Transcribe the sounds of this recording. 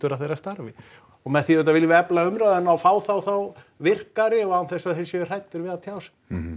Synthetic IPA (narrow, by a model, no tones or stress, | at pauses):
t̪ʏɾaθejɾast̪aɾvɪ | ɔɣmɛðθiɛt̪̬ːavɪljɪvɛplaʏmɾaðʏnawfaːwθawθaw | vɪr̥kaɾɪɔɣawnθɛsaðθɪsjɛr̥ajt̪ːʏɾvɪðat̪ʰjaːws